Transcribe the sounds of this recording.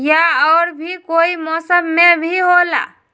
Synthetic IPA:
jaɔːɾbʱikoimɔsəbmebʱiɦola̰

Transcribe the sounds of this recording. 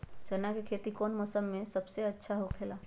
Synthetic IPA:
d͡ʒənakekʰet̪ikonməsəmːesəbseətːʃʰaɦokʰela

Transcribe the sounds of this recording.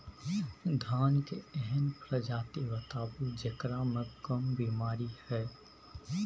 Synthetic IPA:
d̪ʱaːnkeɛɦɛnpɾəd͡ʒaːt̪eʋət̪aːbud͡ʒəkɾamẽkəmbimaːɾihɛː

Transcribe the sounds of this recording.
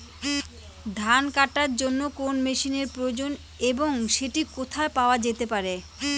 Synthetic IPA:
d̪ʱankaʈaɾd͡ʑonːokonmeʃineɾpɾood͡ʑon | eboŋʃeʈikot̪ʰaepaoad͡ʑet̪epaɾe

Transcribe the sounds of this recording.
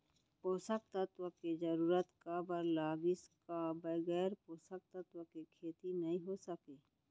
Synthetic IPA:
poːsək̚t̪ət̪wəked͡ʒɐɾuːɾət̪kabəɾlaːɡɪskabəɡɛːɾpoːsək̚t̪ət̪wəkekʰeːt̪inɐɦĩɦosəkeː

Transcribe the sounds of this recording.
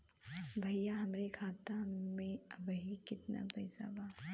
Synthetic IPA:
bʱɐjjːaɦɐmɾekʰaːt̪amẽɐbɦikɪt̪na̰pɛɪsa̰baː

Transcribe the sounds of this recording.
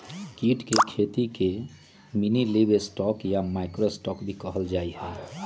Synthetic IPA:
kiʈkekʰet̪ike | minilebesʈɔkjamaɪkɾosʈɔkbʱikəɦəld͡ʒaiɦɛ̃

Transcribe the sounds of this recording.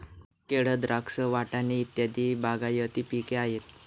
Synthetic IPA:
keɽəd̪ɾaksəʋaʈaniːt̪jad̪iːbaɡajət̪iːpikeaɦet̪̚

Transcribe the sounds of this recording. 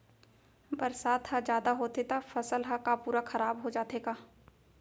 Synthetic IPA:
bɐɾsaːt̪ɦad͡ʒjaːd̪aɦoːt̪et̪afɐsəlɦɐkapuːɾaxʰɐɾaːbɦod͡ʒaːt̪eːɡaː

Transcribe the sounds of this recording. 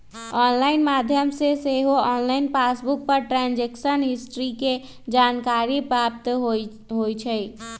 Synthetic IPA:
ɔnlaɪnmad̪ʱjəmseseɦoɔnlaɪnpasbuk̚pəɾʈɾãnd͡ʒeksənɦisʈɾike | d͡ʒankaɾipɾapt̪ɦ | ɦojt͡ʃʰəj

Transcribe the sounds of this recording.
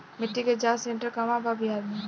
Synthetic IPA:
mɪʈːiked͡ʒaːsẽɳʈəɾkɐmababʱiɦad̪me

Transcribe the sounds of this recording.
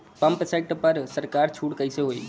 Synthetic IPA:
pɐ̃mpsɛːk̚ʈpɐɾsəɾkaːɾt͡ʃʰuːʈkəɪseɦoːḭː

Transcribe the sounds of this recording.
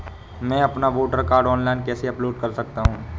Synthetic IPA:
mɛ̃ːɐpnaʋoːʈəɾkaːɾɖɔːnlaːɪnkɛːseɐploːɖkɐɾsɐk̚t̪aɦũː

